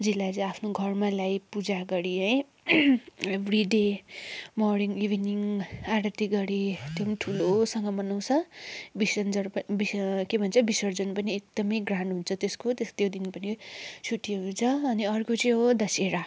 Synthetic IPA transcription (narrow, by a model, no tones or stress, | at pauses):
d͡zilːat͡sʌ̃apʰnoɡʱʌrmalajpud͡zaɡʌɽiʌj | ebʱriɖe | mɔrniŋɡibʱniŋaɾʌt̪iɡʌɽit̪jʌmʈʰulosʌŋɡʌmʌnaw̃t͡sʰʌbisʌnd͡zʌrpbikebʱʌnt͡sʰʌbisʌrd͡zʌnpʌniek̚d̪ʌmʌjɡrãɳɖɦunt͡sʰʌt̪eskot̪est̪jod̪inpʌnit͡sʰuʈiɦunt͡sʰʌːniʌrkot͡sʌj̃ɦod̪ʌseɾa